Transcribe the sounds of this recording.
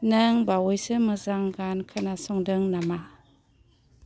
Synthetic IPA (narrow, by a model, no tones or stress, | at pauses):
nɯŋbawɔjsɯmɯzaŋɡankʰanasɔŋdɯŋnama